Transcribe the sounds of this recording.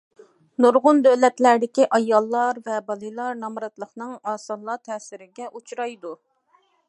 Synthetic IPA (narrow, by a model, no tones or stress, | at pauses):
nuɾʁʊnd̪ølɛt̪læɾd̪ɪkʲiʔɑjɑlˠːɑɾvɛbɑlˠɨlˠɑɾnɑmɾɑt̪lˠəχnɨŋɑːsɑlˠːɑt̪ʰɛsɪɾɪɡʲɛʔut͡ʃʰɾɑjd̪u